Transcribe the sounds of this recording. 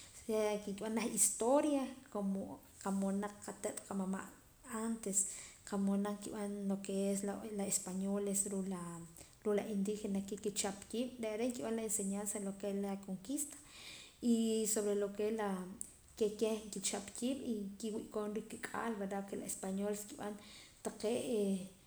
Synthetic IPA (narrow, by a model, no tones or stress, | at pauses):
akikiɓanlaxist̪oɾjakomo | qamonaq͡χqat̪et̪ʼqamama̰ʔ | ant̪esqamonaŋkḭɓanlokeesllaespaɲolesɾula | ɾulaind̪ixenakekit͡ʃapkiːɓ̥ɾeʔaɾeʔŋkiɓanlaenseɲansalokelakoŋkist̪ḁisoβɾelokela | kekeŋkit͡ʃapkiːɓikiwiʔkonɾikːikʼa̰ːlbeɾɾakelaespaɲoleskiɓa̰nt̪aqeʔe